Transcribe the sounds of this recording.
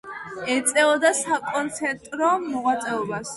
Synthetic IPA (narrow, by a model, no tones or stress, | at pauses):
ɛt̪sʼɛɔd̪asakʼɔnt̪sʰɛɾt̪ʼɾɔmɔʁwat̪sʼɛɔbas